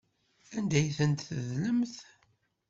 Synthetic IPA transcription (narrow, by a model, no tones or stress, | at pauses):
ænd̪æjθənt̪θəðləmθ